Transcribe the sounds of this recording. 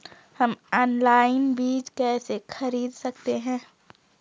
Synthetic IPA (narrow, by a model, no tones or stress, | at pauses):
hɐmɔːnlaːɪnbiːd͡ʒkɛːsexʰɐɾiːd̪sɐk̚t̪eɦɛ̃ː